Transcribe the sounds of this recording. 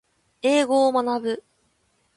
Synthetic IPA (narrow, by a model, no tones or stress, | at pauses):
e̞ːɡo̞ːmanabɯ̟